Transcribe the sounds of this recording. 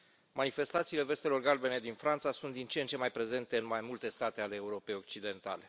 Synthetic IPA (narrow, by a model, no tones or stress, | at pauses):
manife̞st̪at̪siːle̞ve̞st̪e̞lo̞rɡalbe̞ne̞d̪infɾant̪sasunt̪d̪int͡ʃeent͡ʃe̞majpɾe̞ze̞nt̪e̞ɨnmajmult̪e̞st̪at̪e̞ale̞ːuɾo̞pe̞jo̞k̚t͡ʃid̪e̞nt̪a̰le̞